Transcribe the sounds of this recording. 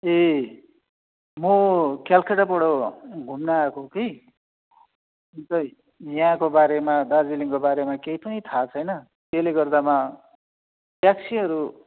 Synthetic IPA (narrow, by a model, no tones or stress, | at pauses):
e | mokalkʰeʈapʌɽoɡʱumnaːkokij | unt̪ʌ | jãkobaɾemad̪ad͡ziliŋkobaɾemakeipʌnit̪ʰat͡sʰʌjnʌ | k̪eleɡʌrd̪ama | bjaksʰiɦʌɾu